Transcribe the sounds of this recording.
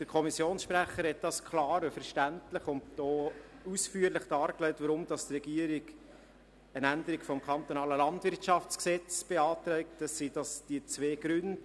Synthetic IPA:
d̥əɾkʰɔmisjoːnsʃpɾæχːəɾhɛt̚dɑskʰlɑːɾəfəɾʃtæntləχʊndd̥ɔːusfyːəɾləχd̥ɑːɾklɛɪtʋəɾʊmd̥ɑst̪rɛɡ̥iəɾiɡ | ənænd̪əɾikfɔmkʰɑnt̪onɑːləlɑndvɪrtʃɑft͡sksɛt͡sb̥eɑːt̪ɾɛɪk̚təsːid̥ɑsd̥iət͡sʋeːɡ̥ɾʏnd̥

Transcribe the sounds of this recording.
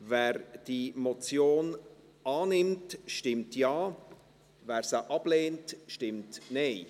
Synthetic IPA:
vɛːɾd̥imot͡sjoːn | ɑːnɪmtʃtɪmtjaː | vɛːɾsəʔɑb̥leːntʃtɪmtnɛɪ

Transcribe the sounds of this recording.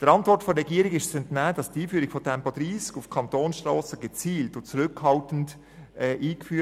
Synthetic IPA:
d̥əɾɑntvɔɾtfɔɾɛɡiːəɾɪɡɪʃt͡sɛntnæːd̥ɑsdiːfyːɾɪɡ̥fɔtʰɛmpod̥ɾiːskufkʰɑntoːnsʃtʁɔːsəɡət͡siːltʊt͡sɾʏkhɑltən̩t | ɛːʔiːkfyː

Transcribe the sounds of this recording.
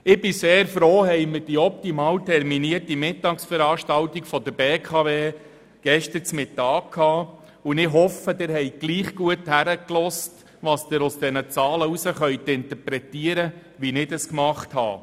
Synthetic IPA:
ɪbɪseːɾfɾoːɦɛjməd̥iɔp̚t̪imɑːwtʰɛrminiərtimɪtːɑːksfəɾɑːʃtɑltikfɔd̥̪əɾbeːkʰɑveː | ɡ̥ɛʃtət͡smɪt̪ːɑːkʰːɑː | ʊnɪɦɔfːəd̥ɪɾhɛɪɡ̥liːχɡ̥uəthæɾəklɔst | ʋɑsd̥̪ɪɾʊsd̥ɛnət͡sɑːləusəχœjt̪ɪnt̪əɾpɾɛt̪iəɾə | ʋinɪdəskmɑχthɑ̰ː

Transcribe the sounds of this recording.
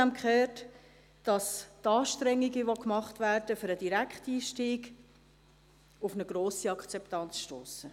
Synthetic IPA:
æmkχøːt | d̥ɑstɑːʃtɾɛŋːiɡəʋokmɑχtʋæːrd̥əfʏɾəd̥iɾækχtiːʃtiːɡ | ʊfnəɡ̥ɾoːsiɑkt͡sɛptɑnt͡sʃtoːsə

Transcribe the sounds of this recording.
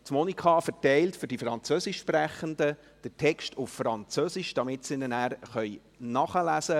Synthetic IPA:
tmɔnikʰɑfɛɾtɛɪltfʏɾdifɾɑnt͡søsɪʃpræχəndə | d̥ətʰɛkʃtʊffɾɑnt͡søsɪʃd̥ɑmɪtsɪnənæːɾχœj | nɑχəlæsə

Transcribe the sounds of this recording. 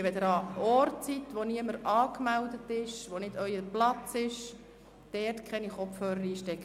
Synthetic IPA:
ʋɛd̪əɾɑɔrtt͡sitʋoniəməɾɑːkmɛldətɪʃʋonɪd̥œʏəplɑt͡sɪʃ | d̥ɛrtkʰχɛniχɔpfhøːɾəɾiːʃtɛkːə

